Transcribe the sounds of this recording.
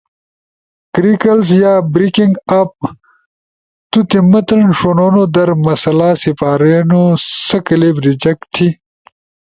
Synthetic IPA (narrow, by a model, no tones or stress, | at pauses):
kɾikɐlsjaːbɾikiŋɡap̚ | t̪ut̪emɐt̪ɐnʂonoːnod̪ɐɾmɐsɐlaːsipaːɾenosɐkɐlebɾid͡ʑɐkt̪ʰi